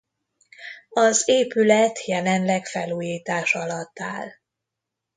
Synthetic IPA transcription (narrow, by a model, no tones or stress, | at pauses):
ɒzeːpylɛt̪jɛlɛnlɛkfɛluːjiːt̪aːʃɒlɒt̪ːa̰ːl